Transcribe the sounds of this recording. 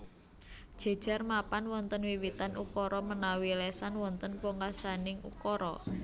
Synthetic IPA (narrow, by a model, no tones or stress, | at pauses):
d̥ʒ̥a̤̥ʒ̥a̤rmapanwɔnt̪ənwiwit̪anʔṵkɔɾɔmənawilesanwɔnt̪ənpoŋasanɪŋṵkɔɾɔ̰